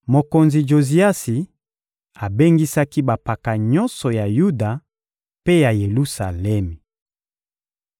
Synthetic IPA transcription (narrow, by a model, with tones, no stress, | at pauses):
mo˨ko˨nzi˨d͡ʒo˨zi˦a˦si˨ | a˨be˦ŋɡi˦sa˦ki˦ba˨pa˨ka˨ɲɔ˦nsɔ˨ja˨ju˦da˨ | pe˦ja˨je˨lu˦sa˨lɛ˦mi˨